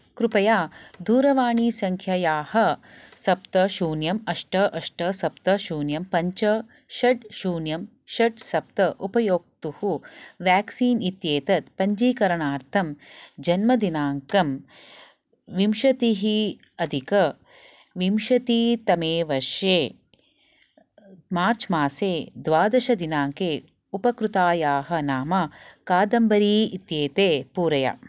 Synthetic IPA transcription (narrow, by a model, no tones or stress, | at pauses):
kɾupɐjaːd̪ʱuːɾɐʋaːɳiːsɐŋkʰjɐjaːhɐ̆sɐp̚t̪ɐʃuːnjɐmɐʂʈɐʔɐʂʈɐsɐpt̪ɐʃuːnjɐmpɐɲt͡ʃɐ | ʃɐɖʃuːnjɐm | ʃɐɖsɐp̚t̪ɐʔupɐjoːk̚t̪uhuʋjaːksiːnit̪jeːt̪ɐt̪pɐɲd͡ʒiːkɐɾɐɳaːɾt̪ʰɐmd͡ʒɐnmɐd̪inaːŋkɐm | ʋimʃɐt̪iɦi | ɐd̪ʱikɐ | ʋimʃɐt̪it̪ɐmeːʋɐʃjeː | maːɾt͡ʃmaːseːd̪ʋaːd̪ɐʃɐd̪inaːŋkeː | upɐkɾut̪aːjaːɦɐ̆naːmɐkaːd̪ɐmbɐɾiːit̪jeːt̪eːpuːɾɐja̰